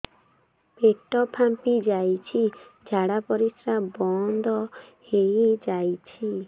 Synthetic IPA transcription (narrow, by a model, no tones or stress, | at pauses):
peʈɔpʰampid͡ʒajt͡ʃʰid͡ʒʱaɽapɔɾisɾabɔnd̪ʱɔhejd͡ʒajt͡ʃʰi